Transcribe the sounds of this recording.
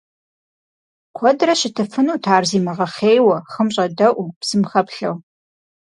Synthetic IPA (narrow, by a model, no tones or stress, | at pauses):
qʷʰɔdrɐɕɪtʰɨfɨnuːtʰaːrziːmɐʁɐχeːjwɐχəmɕʼɐdɐʔʷupsɨmχɐpɬɐ̰w